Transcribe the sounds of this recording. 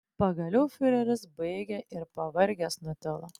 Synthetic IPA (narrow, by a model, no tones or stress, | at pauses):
pɐɡɐlʲɛʊfʲɪɾʲɛɾʲɪsbɐɪɡʲɛʔɪɾpɐʋɐɾʲɡʲɛsnʊt̪ʲɪlˠɐ